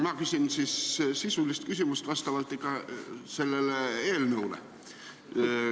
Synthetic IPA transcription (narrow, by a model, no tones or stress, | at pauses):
mɑkysʲinsissisulːist̪kysʲymyst̪ʋɑst̪ɑʋɑlt̪ːˑekɑselːeleeːlnuulḛ